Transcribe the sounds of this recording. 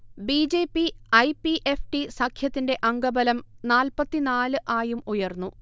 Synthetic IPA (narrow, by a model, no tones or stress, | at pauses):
biːd͡ʑe̞ːpːiɐjpiʔefʈisɐkʰjɐt̪ːinde̞ʔɐŋɡɐbɐlɐmnaːlpɐt̪ːinaːlɨʔaːjumujɐrnːu